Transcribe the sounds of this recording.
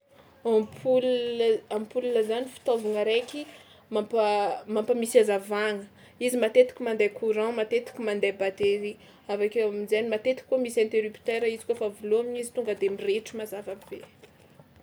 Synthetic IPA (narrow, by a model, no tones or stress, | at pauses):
ampulampulunəzanifi̥t̪ovuŋaɾeki | mapmampəmisazavaŋə | izimat̪et̪i̥kʲimand̪ajkʰuɾãmat̪et̪i̥kʲimãnd̪ajbat̪eɾi | avakeamizanimat̪et̪i̥kʲːumisɛ̃nt̪eɾypt̪eɾaizi̥kuofavuloamiɲizit̪uŋɡəd̪emireʈ͡ʂimazavab̥e